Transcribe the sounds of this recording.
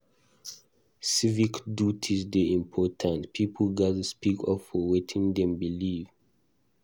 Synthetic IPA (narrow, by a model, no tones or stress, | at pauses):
sivikdjutʰizdeĩmpʰɔtʰãntpʰipʰlɡazspikʰɔfːɔwɛtʰĩŋd̪ɛ̃mbiliv